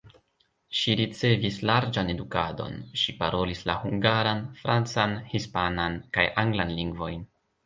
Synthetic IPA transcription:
ʃiɾit͡se̞vislaɾd͡ʒane̞dukado̞̰nʃipaɾo̞lislahuŋɡaɾanfɾant͡sanhispanankajʔaŋɡlanliŋɡvo̞̰jn

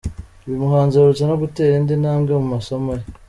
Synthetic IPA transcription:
βimuɦaːnzaɾut͡sanoɡute̞ːɾindinaːmɡemumaso̞moje

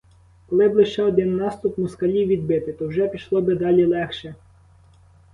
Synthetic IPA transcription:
kɔlˠɪblˠɪʃt͡ʃɛɔd̪ɪnːɑst̪ʊpmʊskɐlʲiwʋʲid̪̚bɪt̪ɪt̪ɔwʒɛpʲiʃlˠɔbɪd̪ɑlʲilˠɛxʃɛ

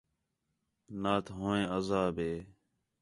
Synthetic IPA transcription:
naːt̪ʰɦõːẽːəzaːbeː

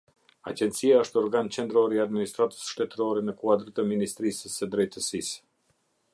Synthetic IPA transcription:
a̰d͡ʒɛnt̪siaəʃt̪ɔɾɡant͡ʃɛnd̪ɾɔɾiad̪minist̪ɾat̪ə̥sʃt̪ɛt̪ɾɔɾɛnəkuad̪ɾt̪əminist̪ɾisəsəd̪ɾɛjt̪əsis

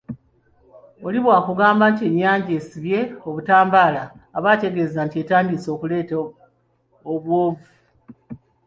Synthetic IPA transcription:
o̞liβwaːkuɡaːmbantie̞ɲːaːɲɟe̞ːsiβje̞o̞βutaːmbaːlaːβaːte̞ɡe̞ːzantie̞taːndiso̞ːkule̞ːt | oβwo̞ːvu

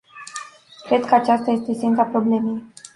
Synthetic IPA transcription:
kɾe̞d̪̚kəat͡ʃast̪aje̞st̪e̞sent̪apɾo̞ble̞me̞j

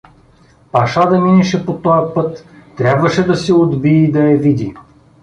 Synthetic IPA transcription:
pɐʃad̪ɐminɛʃɛpot̪ɔjɐpɤt̪ːɾʲabvɐʃɛd̪ɐsɛod̪biːd̪ɐɛvid̪i

